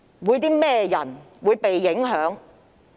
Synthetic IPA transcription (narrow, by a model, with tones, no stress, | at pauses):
wuː˨˧jt̪iː˥mɛː˥jɐ̰˨˩n | wuː˨˧jpe˨jːɪ˨˥ŋɦœː˨˥ŋ